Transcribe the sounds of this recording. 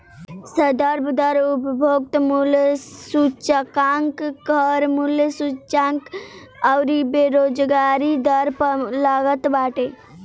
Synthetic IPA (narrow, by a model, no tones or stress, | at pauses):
səd̪əɾbʱd̪əɾʊpbʱoɡ̚t̪mulsut͡ʃəkaŋkɡʱəɾmuljsut͡ʃaŋk | əwɾibeɾoːd͡ʒɡaːɾid̪əɾpəlaɡət̪baːʈe